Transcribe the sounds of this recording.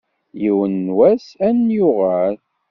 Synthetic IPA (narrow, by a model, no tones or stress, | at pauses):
jiwənːwæsænjʊʁæl